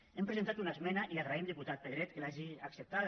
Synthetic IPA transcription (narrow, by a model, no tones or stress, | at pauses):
empɾezent̪at̪unaəzmɛnaʔiaraimd̪iput̪at̪̚peðɾɛt̪kelaʒiaksəp̚t̪a